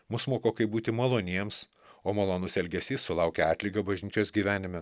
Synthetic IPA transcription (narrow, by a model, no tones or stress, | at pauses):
mʊsmoːkoːkɐɪbuːt̪ʲɪmɐlˠoːnʲiɛms | oːmɐlˠoːnʊsɛlʲɡʲɛsʲiːsːʊlˠɑʊkʲɛɑːt̪ʲlʲiɡɐbɐʒʲnʲiːt͡ʃʲoːsɡʲiːʋʲæːnʲɪmʲɛ